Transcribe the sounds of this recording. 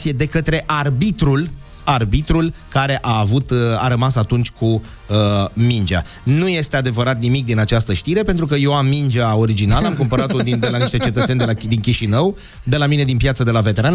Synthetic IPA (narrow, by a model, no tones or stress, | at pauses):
sije̞d̪e̞kət̪ɾe̞ʔarbit̪ɾul | arbit̪ɾulkaɾe̞ʔaːvut̪aɾəmasat̪unt͡ʃʲkʰu | əmind͡ʒa̰ | nuje̞st̪e̞ad̪e̞vəɾat̪nimik̚d̪inat͡ʃast̪əʃt̪iɾe̞pe̞nt̪ɾukəje̞wamːind͡ʒao̞ɾid͡ʒinalamkumpəɾat̪od̪ind̪e̞laniʃt̪e̞t͡ʃe̞t̪ət̪send̪elad̪inkʲiʃinəw | d̪e̞lamine̞d̪inpjat̪səd̪e̞lave̞t̪e̞ɾan